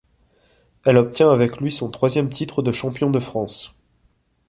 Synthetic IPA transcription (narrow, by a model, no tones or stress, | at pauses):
ɛlɔp̚t̪jɛ̃avɛklɥisɔ̃t̪χwazjɛmt̪ʰit̪χəd̪əʃɑ̃pjɔ̃d̪əfχɑ̃s